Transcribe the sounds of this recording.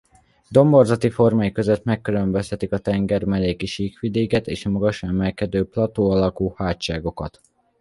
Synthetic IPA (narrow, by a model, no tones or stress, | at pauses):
d̪o̞mbo̞rzɒt̪ifo̞rmaːjikøzøt̪mɛkːylømbøst̪ɛt̪ikɒt̪ɛŋɡɛrmɛleːkiʃiːkʋid̪eːkɛt̪eːʃɒmɒɡɒʃɛmɛlkɛd̪øːplɒt̪oːɒlɒkuːhaːtt͡ʃaːɡo̞kɒt̪